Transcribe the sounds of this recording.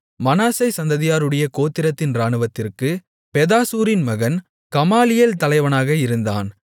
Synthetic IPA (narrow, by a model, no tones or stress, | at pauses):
mɐnaːsɐɪsɐnd̪ɐðɪjaːɾɯɽɐjɐkoːt̪ːɪɾɐt̪ːɪnɾaːɳɯʋɐt̪ːɪrkɯ | pɛðaːsuːɾɪnmɐɣɐn | kɐmaːlɪjeːlt̪ɐlɐɪʋɐnaːɣɐɪɾɯnd̪a̰ːn